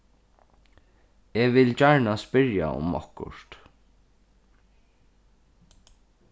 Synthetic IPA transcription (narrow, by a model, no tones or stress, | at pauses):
eːʋɪlt͡ʃaɹɳaspɪɹja̰ʊ̰mɔ̰hkʊ̰ʂt̪